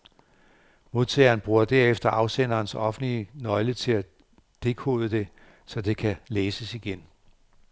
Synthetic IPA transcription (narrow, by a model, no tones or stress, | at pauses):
mo̝ðˠt͡sʰeːɐːnb̥ʁuːɐd̥æɐefd̥ɐʔɑ̈ʊsen̰ɐːnsɒ̽fn̩l̥iənɒ̽ɪlət͡sʰe̝læ | d̥e̝ɡ̥ʰo̰ːðˠəd̥e̝ | sɒ̽d̥e̝kʰæleːsəsiɡ̥en